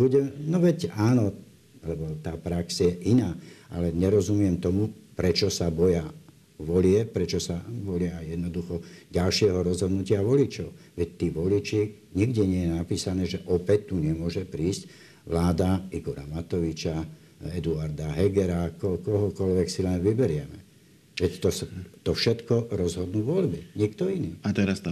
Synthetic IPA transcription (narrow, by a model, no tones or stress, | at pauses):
buɟɛnɔʋɛcaːnɔ | lɛbɔt̪aːpɾaksjɛʔinaːa̰lɛɲɛɾɔzumɪɛmt̪ɔmupɾɛt͡ʃɔsabɔja | ʋɔlɪɛpɾɛt͡ʃɔsaʋɔlɪaːjjɛd̪nɔd̪uxɔɟalʃɪɛɦɔɾɔzɦɔd̪nucɪaʋɔlit͡ʃɔʊʋɛct̪iːʋɔlit͡ʃi | ɲiɡdɛɲɪɛjɛnapiːsanɛːʒɛʔɔpɛc̚t̪uɲɛmʊɔʒɛpɾiːsc | ʋlaːd̪aiɡɔɾa̰mat̪ɔʋit͡ʃa | ɛd̪uaɾd̪aɦɛɡɛɾakɔkɔɦɔkɔʎʋɛksilɛnʋibɛɾɪɛmɛ | ʋɛct̪ɔst̪ɔfʃɛt̪kɔɾɔzɦɔd̪nuːʋɔʎbiɲikt̪ɔiniːat̪ɛɾas